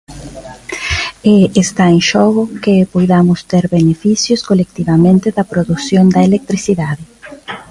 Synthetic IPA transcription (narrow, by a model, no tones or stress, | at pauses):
eest̪aeŋʃɔɣʊkepojðamʊst̪eɾbenefisjʊskolek̚t̪iβamẽnt̪eðɐpɾoðusjond̪ɐelek̚t̪ɾisiðaðɪ